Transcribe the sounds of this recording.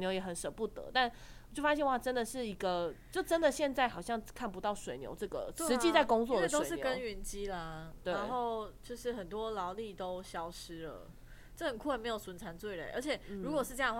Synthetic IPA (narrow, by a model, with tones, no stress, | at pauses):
njo˧˥jɛ˨˩xə˨˦nʂə˨˩pu˥˩t̪ə̰˧˦t̪a˥˩n | wt͡ɕjo˥˩ʊfa˥ɕjɛ˥˧nxwa˥˩ʈ͡ʂə˦˥nd̪ə˨ʂɻ̩˥˩i˧˥ɡə˧t͡ɕjo˥˩ʊʈ͡ʂə˦˥nd̪ə˨ɕjɛ˥˧nt͡sa˥˩ɪxɑ˨˩ʊɕjɑ˥˧ŋkʰa˥˩np̬u˧t̪ɑ˥˩ʊʂwe˨˩ɪnjo̰˧˥ʊʈ͡ʂɤ˥˩ɡə̰˩ʂɻ̩˧˦t͡ɕi˥t͡sa˥˩ɪkʊ˥ŋt͡swɔ˥˩də˨t̪o˥ʊ˨˥jkə˥˦˥ny˧˥nt͡ɕi˥la˧t̪we˥˩˧nɪxo˥˨˩ʊt͡ɕjo˥˧ʊʂɻ̩˥˩xə˨˩nt̪wɔ˦lɑ˧˦ʊli˥˩t̪o˦˥ʊɕjɑ˥ʊʂɻ̩˥lə̰˩ | ʈ͡ʂə˥˩xə˨˩nkʰu˥˩˨me˧˥ɪjo˨˩ʊswə˧˥nt͡sʰa˧˥nt͡swe˥˩ɪle˨˩ʔə˞˧˥t͡ɕʰjɛ˨˩ɻu˧˥kwɔ˨˩ʂɻ̩˥˧ɤ˥jɑ˥˧˥